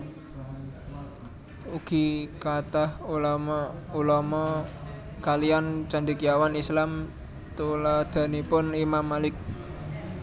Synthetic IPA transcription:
uɡ̥i̤kat̪ahululɔmɔ | kalijant͡ʃand̪ikijawanislam | t̪ulad̪̥a̤nipʊnimamːalɪk̚

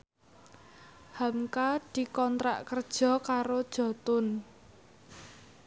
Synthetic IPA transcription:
hamkad̪̥i̤kɔnt̪ɾa̰ʔkərd̥ʒ̥ɔ̤kaɾod̥ʒ̥ɔ̤t̪ʊn

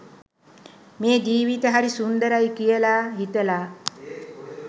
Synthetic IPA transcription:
meːd͡ʒiːʋit̪əɦaɾisund̪əɾajkijəlaːɦit̪əlaː

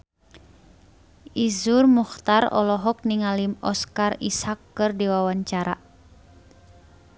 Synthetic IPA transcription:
izurmuxt̪aɾɔ̰lɔɦɔk̚niŋalimɔ̰skarḭsakːɨrdiwawaɲt͡ʃaɾa̰

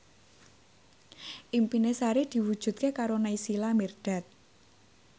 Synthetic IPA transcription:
ʔimpinesaɾid̪̥i̤wud̥ʒ̥ṳt̪̚kekaɾonaisilamirɖ̪̥a̤t̪̚

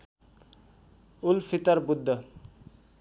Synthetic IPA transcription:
ulpʰit̪ʌɾbud̪ʱːə

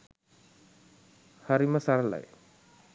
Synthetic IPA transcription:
haɾiməsaɾəla̰j

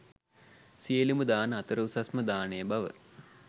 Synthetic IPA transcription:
sijeluməd̪aːnəat̪əɾəusasməd̪aːnejːbaʋə̰

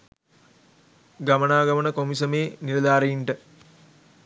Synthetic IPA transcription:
ɡamənaːɡɐmənəkomisəmeːniɾɐd̪aːɾeiɳʈə

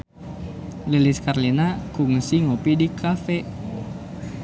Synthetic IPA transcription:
liliskarlinakuŋsiŋopidikʰafɛ

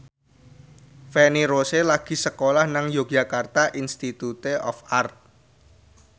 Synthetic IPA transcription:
fɛniɾoselaɡ̥i̤səkolahnaŋjo̥ʒa̤kart̪aʔinst̪it̪ut̪eʔɔfart̪̚

